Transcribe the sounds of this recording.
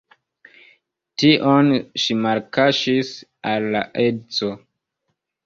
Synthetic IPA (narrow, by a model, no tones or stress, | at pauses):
tiʔo̞nʃimaɾkaʃisalːa̰ʔedt͡so